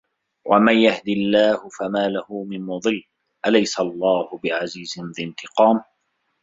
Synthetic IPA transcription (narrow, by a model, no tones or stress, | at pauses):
wʔa̰manjahd̪ilːaːhʊfamaːlahʊmɪnmʊd̪ˤɨlː | ʔalajsalˤːɑːhʊbɪʕaziːzɪnðɪnt̪ɪqɑːm